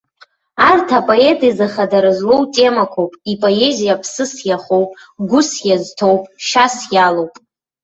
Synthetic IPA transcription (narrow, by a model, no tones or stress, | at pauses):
artʰapʼo̞e̞tʼizaχadaɾɨzlowtʼe̞makʷʰowpʼipʼo̞e̞zijapʰsɨsjaχo̞wpʼ | ɡʷʊsjaztʰo̞wpʼʃasjalowpʼ